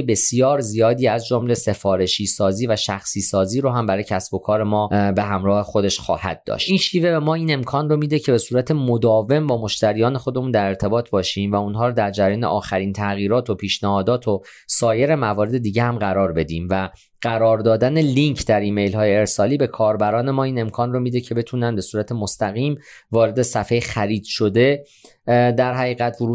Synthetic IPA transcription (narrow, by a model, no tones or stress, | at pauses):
ebe̞sjɒːɾzijɒːd̪iːæzd͡ʒomle̞se̞fɒːɾe̞ʃiːsɒːziːvæʃæxsiːsɒːziːɾoɦæmbæɾɒːjcʰæsb̥o̞kʰɒːɾe̞mɒːbe̞ɦæmɾɒːhe̞xo̞d̪e̞ʃxɒ̰ːhæ̰d̪̚d̪ɒ̰ːʃt̪ʔiːnʃiːve̞be̞mɒːiːne̞mkʰɒːnromiːd̪ecʰe̞be̞suːɾæt̪ʰe̞mo̞d̪ɒːve̞mbɒːmo̞ʃt̪æɾijɒːnexo̞d̪e̞mund̪æɾe̞ɾt̪ʰe̞bɒːt̪ʰbɒːʃiːmvæunɦɒːɾod̪æɾd͡ʒæɾjɒːneʔɒːxæɾiːnt̪ʰæɣiːɾɒːt̪ʰo̞pʰiːʃnæhɒːd̪ɒːt̪ʰo̞ | sɒːje̞ɾemævɒːɾe̞d̪e̞d̪iːɟehæmɢæɾɒːɾbe̞d̪iːmvæ | ɢ̥æɾɒːɾd̪ɒːd̪æne̞liŋcʰd̪æɾiːme̞jlɦɒːjeːɾsɒːliːbe̞kʰɒːɾbæɾɒːne̞mɒːiːne̞mkʰɒːnromiːd̪e̞cʰe̞be̞t̪ʰuːnænbe̞suːɾæt̪ʰe̞most̪æɣiːmvɒːɾe̞d̪e̞sæfejxæɾiːd̪̥ʃo̞d̪e̞ | d̪æɾɦæɣiːɣæt̪ʰvoɾuː